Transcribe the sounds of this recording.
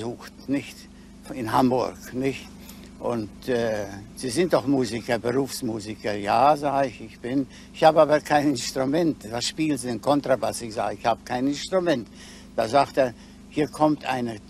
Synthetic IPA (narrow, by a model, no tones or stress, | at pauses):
zuːxtnɪçt | ɪnɦambʊ̰ɐknɪçt | ʔʊ̰ntɛːz̥iːzɪnt̚d̥ɔχmuːzikɐbəʁuːfsmuːzikɐja̰ːzaːɡəɪçɪçb̥ɪn | ɪçhaːbəaːbɐkʰaɪnɪnstʁ̥umɛntvasʃpiːlnzidenkʰɔntʁ̥abasɪçz̥a̰ːɡəɪçhaːbəkʰaɪnɪnstʁ̥umɛnt | d̥aːzaːkteːɐ | hiːɐkʰɔmtʰʔa̰ɪnə